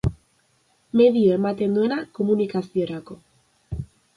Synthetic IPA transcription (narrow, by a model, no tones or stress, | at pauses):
me̞ðioe̞mat̪e̞nd̪ue̞nako̞munikasio̞ɾako̞